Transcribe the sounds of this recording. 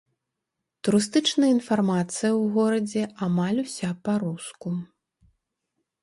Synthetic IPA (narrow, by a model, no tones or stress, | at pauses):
t̪uɾɨs̬t̪ɨt͡ʂnɐjinfarmat̪sɨjɐwɣɔɾɐd͡zʲɛamalʲusʲapɐɾusku